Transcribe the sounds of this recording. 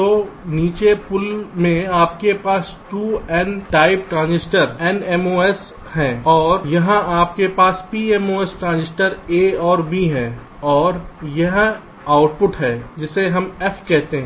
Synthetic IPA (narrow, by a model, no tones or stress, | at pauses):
t̪oːniːt͡ʃepʊlmẽaːpkepaːs | ʈuːɛːnʈaːɪp̚ʈɾãːnzɪsʈəɾɛnɛmoːɛs | hɛ̃ːɔːɾjɐɦãʔaːp̚kepaːspiːɛmoːɛsʈɾãːnzɪsʈəɾeɔːɾbiɦɛ̃ː | ɔːɾjɐɦã | aːʊʈpʊʈɦɛːd͡ʒɪseɦɐmɛfʰkɛɦt̪eɦɛ̃